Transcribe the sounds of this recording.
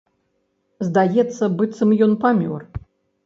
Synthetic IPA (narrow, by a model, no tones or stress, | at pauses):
zd̪ajɛt̪sːɐbɨt̪sɨmjɔnpamʲɔ̰r